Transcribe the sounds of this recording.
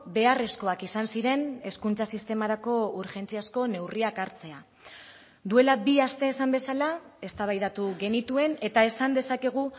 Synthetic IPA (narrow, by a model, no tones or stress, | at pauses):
be̞are̞sko̞akisansiɾe̞ne̞skunt͡sasist̪e̞maɾako̞uɾʝe̞nt͡siasko̞ne̞wriakaɾt͡se̞a | d̪ue̞labiast̪e̞ːsambe̞salae̞st̪aβ̞ajðat̪uɣe̞nit̪ue̞ne̞t̪ae̞sand̪e̞sake̞ɣ̞u